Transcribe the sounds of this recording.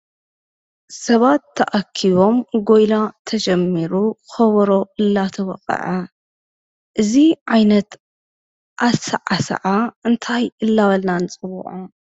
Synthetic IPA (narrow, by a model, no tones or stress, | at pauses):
sɐβat̪ʰːɐʔakʰːiβo̞mɡo̞jlat̪ʰɐd͡ʒɐmːiɾuxɐβɾo̞ɨlːat̪ʰɐwɔ̰qʼɐ̰ʕa | ʔɨziʕajnɐt̪ | ʔasɐ̰ʕasɐ̰ʕaɨnt̪ʰajɨlːaβɐlnant͡sʼɨβṵʕu